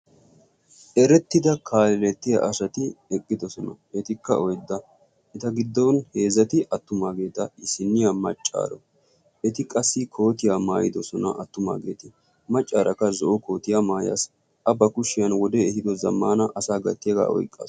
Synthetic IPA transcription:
ʔɛɾɛt̪ːɪd̪ɐkʰaːlɪlɛt̪ːɪjɐ̰ʔɐsɐt̪ɪɛkʼːɪd̪ɔsɔnɐ | ɛt̪ɪkːɐ̰ɔjd̪ːɐ | ʔɪt̪ɐɡɪd̪ːɔwnhe̞ːzːɐt̪ɪʔɐt̪ːʊmaːɡe̞ːt̪ɐɪsɪnːɪjamɐ̰t͡ʃʼːa̰ːɾɔ | ɛt̪ɪkʼɐsːɪkʰo̞ːt̪ɪjaːmaːjɪd̪ɔsɔnɐ̰ʔɐt̪ːʊma̰ːɡḛːt̪ɪ | mɐt͡ʃʼːaːɾɐkːɐzɔʔɔkʰo̞ːt̪ɪjamaːja̰s | ɐbːɐkʊʃːɪjɐnwɔd̪ɛɛhɪd̪ɔzɐmːaːnɐʔɐsaːɡɐ̰t̪ːɪjɐɡa̰ːɔ̰jkʼːa̰ː

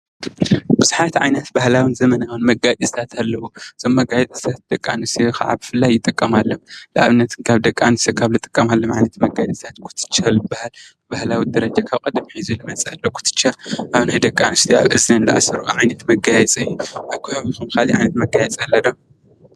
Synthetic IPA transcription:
bɨzuħat̪ʕa̰jnɐt̪bahlawɨnzɐmɐnawɨnmɐɡad̪ist̪ʰat̪ʰalːɐwuɨz̥omːɐɡajɛt͡s̪ʼɨst̪ʰat̪̚d̪̥ɐkʼːa̰nɨst̪ʰixa̰ʕa̰bɨfɨlːajːɪt̪ʼɨkʼːɐmalːolɐʔa̰βɨnːɐt̪ʰɨnkʰaβd̪ɐkʼːanɨsɐkʰaβlɨt̪ʼɨ̥kʼːɐmalːomʕajnɐt̪ʰmɐɡad̪ʼist̪ʰat̪kʰʊ̥t̪ʰɨ̥t͡ʃʰːalɨbahal | bahlawid̪ɐɾɐd͡ʒakʰaβkʼɐd̪ɨmħizulɨmɐt͡sʼalːokʰu̥t̪ʰɨ̥t͡ʃːaʔaβnajd̪ɐkʼːanɨst̪ʰia̰βʔɨznɐɨnd̪ɐʔa̰sɐɾuʕajnɐt̪mɐɡajɛt͡sʼɨjːuʔaβkʰːɨhaβixumkʰaliʕa̰jnɐt̪mɐɡajɛt͡sʼalːɐd̪ɐm

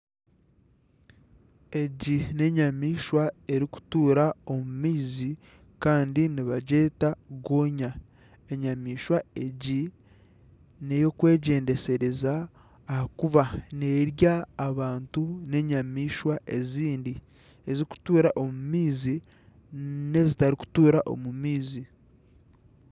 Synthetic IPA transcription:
e̞ɟine̞ɲamiːʃwae̞ɾiku̥tuːɾao̞mumiːzi | kaːndiniβaɟe̞ːtaɡoːɲa | e̞ɲamiːʃwaeɟi | ne̞jo̞kwe̞ːɟe̞ːnde̞se̞ɾe̞zaː | hakuβaneɾjaːβaːntune̞ɲamiːʃwaʔe̞ziːndi | e̞ziku̥tuːɾaʔo̞mumiːzi | ne̞zitaɾiku̥tuːɾaʔo̞̰mumiːzi

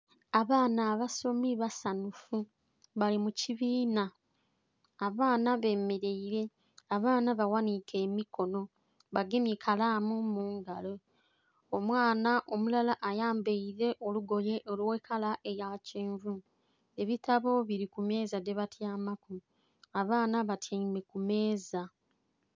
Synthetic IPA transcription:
aβaːnaːβaso̞miβasanufu | βalimuciβiːna | βaːnaβe̞ːme̞ɾe̞iɾe̞ | aβaːnaβawanike̞ːmikʰo̞no̞ | βaɡemikʰalaːmumuːŋɡalo | omwaːnaʔo̞mulalaʔajaːmbe̞iɾe̞ʔoluɡo̞je̞ʔolwekʰalaʔejaceːɱvu | e̞βitaβo̞βiɾikume̞ːzade̞βatjaːmaku | aβaːnaβatʰamekume̞ːza

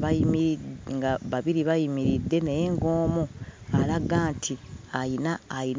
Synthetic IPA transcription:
βaimiŋɡaβaβiɾiβajimiɾidːe̞nejeŋɡo̞ːmoalaɡaːntʰiajinaːin

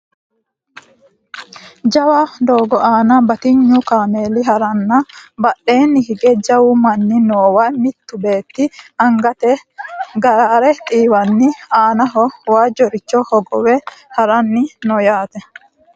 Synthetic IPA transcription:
d͡ʒɐwaːd̪oːɡɔʔaːnɐbɐt̪ɪɲːukaːmeːlɪɦɐɾɐnːɐbɐɗːe̞ːnːɪhɪɡɛd͡ʒɐwumɐnːɪnoːwamɪt̪ːʊbe̞ːt̪ːɪɐŋɡɐt̪ɛɡɐɾaːɾɛt̪ʼiːwɐnːɪaːnɐɦɔwaːd͡ʒɔɾɪt͡ʃːɔhɔɡɔwɛhɐɾɐnːɪnɔjaːt̪ɛ

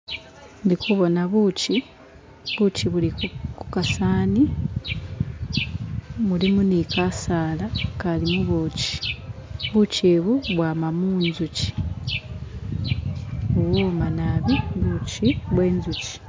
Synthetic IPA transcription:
ndikʰuβo̞naβuci | βuciβulikukasaːni | mulimunikasaːlakalimuβoci̥ | βuceβuβwaːmamuːnzuci̥ | uwomanaβiβuciβwe̞ːnzuci̥

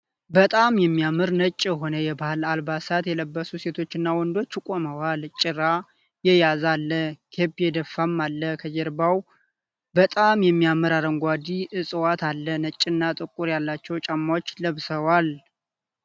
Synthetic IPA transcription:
bət̪ʼamjɛmːijamɨɾnət͡ʃʼːjɛɦo̞nəjɛbahɨlalbasat̪jɛləbːəsuse̞t̪ʰo̞t͡ʃːɪnːawɔnd̪o̞t͡ʃːkʼoməwalt͡ʃʼːɪɾa | jɛjazalːəkʰebjɛd̪əfːamːalːəkʰəd͡ʒɛɾbaw | bət̪ʼamjɛmːijamɨɾaɾəŋɡʷad̪iʔɨsʼɨwat̪ʰalːənət͡ʃʼːɨnːat̪ʼɨkʼːuɾjalːat͡ʃːɛwt͡ʃʼamːawot͡ʃːləβsəwal

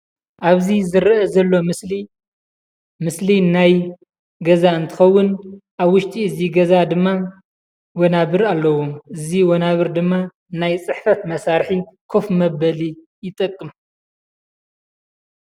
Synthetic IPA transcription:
ʔaβzizɨɾʔɐzɐlːo̞mɨsli | mɨslinaj | ɡɐzaɨnt̪ʰɨ̥xɐwːʊnʔaβwʊʃt̪ʼiɨziɡɐzad̪ɨmːa | wɔnaβɨɾalːɐwoʔɨziwonaβɨɾd̪ɨmːa | najt͡sʼɨħfɐt̪mɐsaɾħikʰo̞fmɐbɐli | jɪt̪ʼɐkʼːɨm

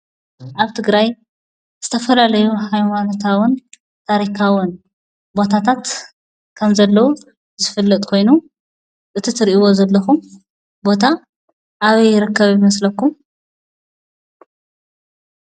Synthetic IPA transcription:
ʔaβt̪ʰɨɡɾaj | z̥ɨt̪ʰɐfɐlalɐjuħajwanot̪ʰawʊn | t̪ʰaɾikʰawʊn | bo̞t̪ʰat̪ʰat̪ | kʰɐmzɐlːɐwu | zɨfɨlːɐt̪ʼkʰo̞jnu | ʔɨt̪ʰit̪ʰɨɾiʔiwo̞zɐlːɐxum | bo̞t̪ʰa | ʔaβɐjːɪɾɨkːɐβjɪmɐslɐkːum

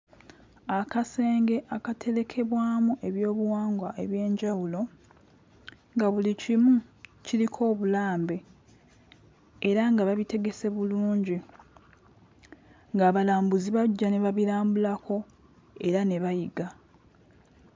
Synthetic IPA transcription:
akase̞ːŋɡe̞ʔakatʰe̞ɾe̞kʰe̞βwaːmuʔe̞βjo̞ːβuwaːŋɡwaʔe̞βje̞ːɲɟawulo̞ | ŋɡaβulicimuciɾikʰo̞ːβulaːmbe̞ | ɾaŋɡaβaβite̞ɡe̞se̞βuluːɲɟi | ŋɡaːβalaːmbuziβaɟːane̞βaβiɾaːmbulako̞ | e̞ɾane̞βajiɡa

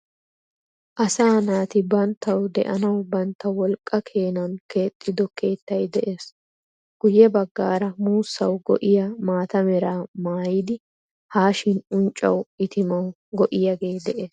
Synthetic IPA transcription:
ʔɐsaːnaːt̪ɪbɐnt̪ʰːɐwd̪ɛ̰ʔɐnɐwbɐnt̪ːɐwɔlkʼːɐkʰe̞ːnɐnke̞ːt̪ʼːɪd̪ɔkʰe̞ːt̪ːɐjd̪ɛʔeːs | ɡ̥ʊjːɛbɐɡːaːɾɐmuːsːɐwɡɔ̰ʔɪjamaːt̪ɐmɛɾaːmaːjɪd̪ɪ | haːʃɪnʊnt͡ʃʼːɐ̰wɪt̪ɪmɐw | ɡɔʔɪjɐɡe̞ːd̪ɛʔeːs

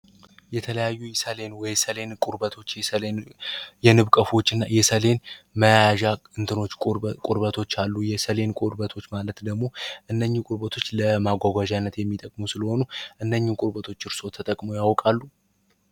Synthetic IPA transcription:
jɛt̪ʰələjajːujɛsəle̞nwɔjsəle̞nkʼʊɾbət̪ʰo̞t͡ʃːjɛsəlenjɛnɨβkʼəfo̞t͡ʃːɨnːa̰jɛsəle̞nməjajaʒaɨnt̪ʰɨno̞t͡ʃːkʼʊɾbət̪ʰo̞t͡ʃːalːujɛsəle̞nkʼuɾbət̪ʰo̞t͡ʃːmalət̪d̪əɡmo̞ʔɨnːəɲːukʼʊɾbət̪ʰo̞t͡ʃːləmaɡʷaɡʷaʒanːət̪jɛmːit̪ʼəkʼmusɨləho̞nuʔɨnːəɲːukʼʊɾbət̪ʰo̞t͡ʃːɨɾso̞t̪ʰət̪ʼəkʼmujawɔkʼalːu

